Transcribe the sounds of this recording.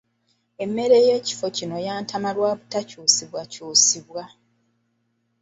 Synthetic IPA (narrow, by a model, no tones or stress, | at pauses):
e̞mːe̞ɾe̞je̞ːci̥fo̞cino̞jaːntʰamalwaːβutacuːsiβwacuːsiβwa